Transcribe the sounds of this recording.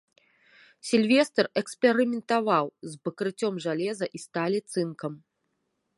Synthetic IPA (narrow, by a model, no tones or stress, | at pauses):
sʲilʲvʲɛst̪ɐrɛkspʲɛɾɨmʲɛnt̪avawzbɐkɾɨt͡sʲɔmʐalʲɛzɐʔist̪alʲit̪sɨnkɐm